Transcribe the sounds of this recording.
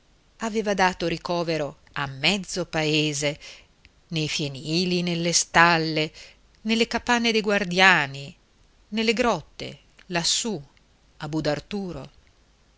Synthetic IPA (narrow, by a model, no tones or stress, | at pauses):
aveːvad̪aːt̪oɾikɔːveɾo | amːɛd̪zːopaeːze | nejfjeniːlinelːest̪alːe | nelːekapanːed̪ejɡward̪jaːni | nelːeɡɾɔt̪ːḛ | lasːu | abud̪art̪uːɾo̰